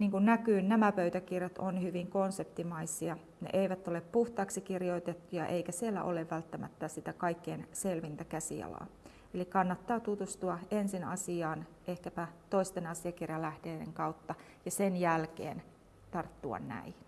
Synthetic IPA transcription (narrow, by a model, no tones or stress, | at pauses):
niːŋkunnækyːnnæmæpøyt̪ækirjɑt̪onhyʋiŋkonsept̪imɑisiɑ | nḛʔeiʋæt̪ːoleppuht̪ɑːksikirjoit̪et̪ːujɑ̰ʔeikæsielːæ̰ʔo̰leʋːælt̪ːæmæt̪ːæsit̪ækɑikːeːnselʋint̪ækæsḭɑ̰lɑ̰ː | elikɑnːɑt̪ːɑːt̪ut̪ust̪uɑensinɑ̰siɑːn | ʔehkæpæt̪oist̪enɑsiɑkirjɑlæhdeːdḛŋkɑut̪ːɑ | jɑsenjælkḛːn | t̪ɑrt̪ːuɑ̰nnæ̰in